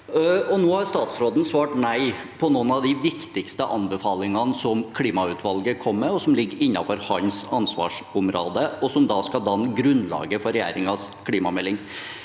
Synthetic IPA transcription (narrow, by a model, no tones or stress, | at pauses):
ɔnoːhɑɾst̪ɑːt̪sɾoːd̪n̩sʋɑːʈnæɪ | pʰɔnoːnɑʋd̪ɪʋɪkt̪ɪkst̪əʔɑnbəfɑːlɪŋɑnsɔmkʰliːmɑʉːt̪ʰʋɑlɡəkʰɔmːɛɔsɔmlɪɡːəɾɪnːɑfɔɾhɑnsɑnsʋɑ̰ːʂʊmɾo̰ːd̪əɔsɔmd̪ɑːskɑd̪ɑnɡɾʉnlɑ̰ːɡəfɔɾɛjæ̰ːɾɪŋɑskʰliːmɑmɛlːɪŋ